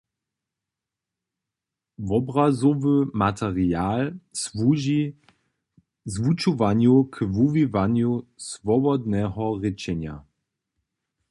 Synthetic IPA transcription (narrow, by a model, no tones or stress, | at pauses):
vɔbʁazɔvəmat̪ʰɛʁiaːlsvuːʒi | zvut͡ʃuvanjukvuvivanjusvɔbɔd̪nɛɦɔʁɪt͡ʃɛnja̰